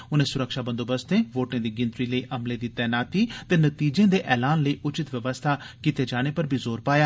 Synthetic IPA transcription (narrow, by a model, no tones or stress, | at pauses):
ʊnẽːsʊɾəkʃaːbə̃nd̪oːbəst̪ẽːʋoːʈãːd̪iːɡɪ̃nt̪ɾiːləiːʔəmleːd̪iːt̪ɛːnaːt̪iːt̪eːnət̪iːd͡ʒẽːd̪eːʔɛːlaːnləiːʔʊt͡ʃɪt̪ʋəʋəst̪ʰaːkiːt̪eːd͡ʒaːɽ̃eːpəɾbʱizoːɾpaːjaː